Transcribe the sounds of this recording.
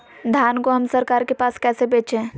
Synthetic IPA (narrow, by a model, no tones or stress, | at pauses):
d̪ʱaːnkoɦɐmsɐɾkaːɾkepaːskɛːsebeːt͡ʃẽː